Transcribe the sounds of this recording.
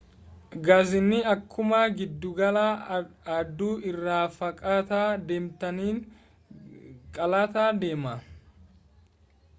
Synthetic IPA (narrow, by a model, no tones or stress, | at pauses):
ɡaːzɪnːɪɐkːʊmaɡɪd̪ːʊɡɐlaːɐd̪ːuːʔɪrːaːfɐkʼaːt̪aːd̪eːmt̪ɐniːn | kʼɐlaːt̪aːd̪e̞ːmɐ